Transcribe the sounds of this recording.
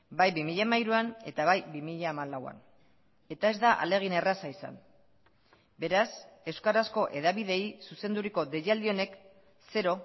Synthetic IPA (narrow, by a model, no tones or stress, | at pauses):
bajβimiʎamajɾuane̞t̪aβajbimiʎaːmalawa̰n | e̞t̪ae̞zd̪aʔa̰le̞ɣ̞ine̞rasaisa̰n | be̞ɾase̞wskaɾasko̞ʔe̞ðaβiðe̞jsuse̞nd̪uɾiko̞d̪e̞jald̪io̞ne̞k | se̞ɾo